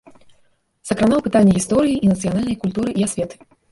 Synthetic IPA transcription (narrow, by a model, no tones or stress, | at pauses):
sɐkɾanawpɨt̪alʲːɐɣʲist̪ɔɾɨjiʔinɐt̪sɨjanalʲnɐjkulʲt̪uɾɨʔiasʲvʲɛt̪ɨ̥